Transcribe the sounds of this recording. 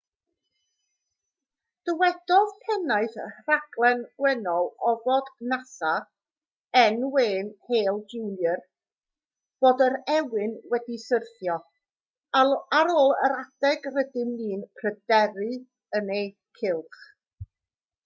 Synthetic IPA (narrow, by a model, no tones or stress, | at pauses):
d̥əwɛdɔðpʰɛnajθraɡlˠɛnwɛnɔlˠɔvodnasa | ɛnweːnheːlˠd͡ʒuwljər | b̥oːdəɾɛwɪnwɛdisərθjɔ | aɾoːlˠə̰ɾad̥ɛɡrədɪmliːnpʰrədɛɾɨ | ənej | kʰɪlˠχ